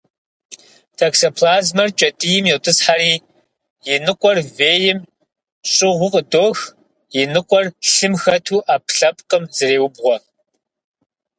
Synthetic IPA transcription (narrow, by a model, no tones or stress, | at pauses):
tʰɐksɐpʰlaːzmɐrt͡ʃʼɐtʼijɪmjɪwtʼɨsħaɾiː | jɪnɨqʷʼɔrveːjɪm | ɕʼɪʁʷʊqʼədoːx | jɪnɨqʷʼɔrɬɨmxɐtʰuːʔaːpɬɐp̚ʼqʼəmzɨreːwʊbʁʷɔ